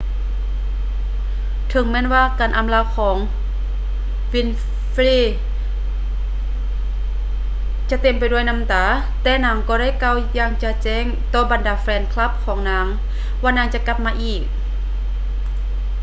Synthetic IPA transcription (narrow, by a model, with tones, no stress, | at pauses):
t̪ʰɤ˨˦ŋmɛː˧˥˨nwaː˧˨kaː˨nʔa˨mlaː˧˩wkʰɔː˩˦ŋ | wi˧˥˨n | fliː˧˩ | t͡ɕa˧˦t̪e˨˩mpa˨jdu˧˩ə˨jna˧˥mt̪aː˨˦ | t̪ɛː˧˩naː˧˥ŋkɔː˧ɾa˥˨jka˧˩wjaː˧˩ŋt͡ɕa˧˩t͡ɕɛː˧˥˨ŋt̪ɔː˧˩ba˨ndaː˨˧˦flɛː˧˩n̚kʰla˧˥˩p̚kʰɔː˨˩˦ŋnaː˧˥˩ŋ | waː˧naː˧˥˨ŋt͡ɕa˧˨ka˧˥p̚maː˧ʔiː˧˩k̚